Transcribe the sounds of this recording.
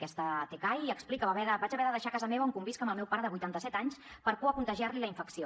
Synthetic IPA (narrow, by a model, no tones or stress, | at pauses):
kɛst̪ət̪ekajəksplikəβaβɛðəbad͡ʒɐβɛɾəðəʃakazəmeβuŋkumbiskəməlˠmɛwpaɾəðəβujt̪ant̪əsɛt̪aɲs | pəɾkuəkunt̪əʒiaɾliləiɱfəksio